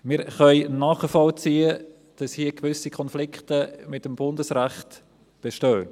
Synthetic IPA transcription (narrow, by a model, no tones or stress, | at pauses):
mɪːɾχœʏnɑːχəfɔlt͡siːə | d̥ɑshiːəkvʏsikʰɔnflɪktəmɪtːəmb̥ʊndəsræχt | b̥eʃtøː